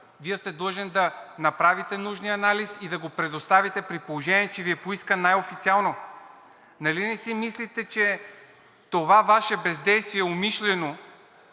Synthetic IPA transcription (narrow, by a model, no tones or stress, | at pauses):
viɛst̪ɛd̪əʒɛnd̪ɐnɐpɾavit̪ɛnuʒniɐnalisid̪ɐɡopɾɛd̪ost̪avit̪ɛpɾipolˠoʒɛniɛt͡ʃɛviɛpoiskənajofit̪sialˠno | nɐlinɛsimislit̪ɛt͡ʃɛ | t̪ovavaʃɛbɛzd̪ɛjst̪viɛomiʃlɛno